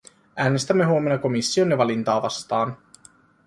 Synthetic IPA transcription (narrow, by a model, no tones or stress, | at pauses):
æːne̞st̪æmːe̞ɦuomenːɑko̞misːio̞njɑʋɑlint̪ɑːʋɑ̰st̪ɑːn